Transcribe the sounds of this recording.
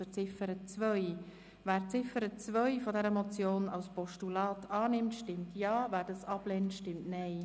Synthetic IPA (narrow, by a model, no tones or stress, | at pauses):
ət͡sɪfəɾət͡svœj | væːɾt͡sɪfəɾət͡svœʏfɔdɛɾəmɔt͡sjoːnɑwspɔʃtulɑːtʰɑːnɪmtʃtɪmtʰjɑːvæːɾdɑsɑb̥lɛntʃtɪmtnɛɪ